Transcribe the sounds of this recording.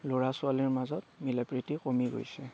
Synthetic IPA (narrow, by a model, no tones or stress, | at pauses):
loɹasʊalɛɹmazɔt̚milapɹitikomiɡo̰jsɛ